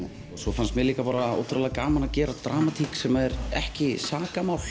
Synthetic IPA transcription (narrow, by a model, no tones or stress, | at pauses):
sɔfanst̪mɛliːkapaːɾao̰wt̪ʰɾalɛkaːmanacɛːɾat̪ɾaːmat̪ʰiːksɛmaɛɾɛhcɪsaːkamaːwl